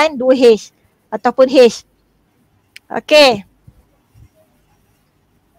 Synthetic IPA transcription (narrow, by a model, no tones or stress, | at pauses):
ajnduɦes | ət̪awpunɦes | o̰ke